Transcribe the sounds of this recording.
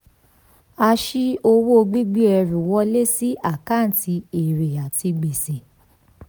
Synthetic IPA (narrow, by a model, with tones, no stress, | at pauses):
a˧ʃi˦o˧wo˦o˧ɡ͡bi˦ɡ͡bi˦ɛ˧ɾu˨wɔ˧˦le˦si˦ʔa˦˨ka˦˨n̩˨tʰi˧˦e˨ɾe˨a˨ti˧ɡ͡be˨sẽ˨